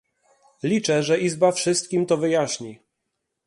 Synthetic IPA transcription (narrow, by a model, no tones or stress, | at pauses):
lʲit͡ʂɛʐɛʔizbafʂɘst̪̚kʲimt̪ɔvɘjaɕɲi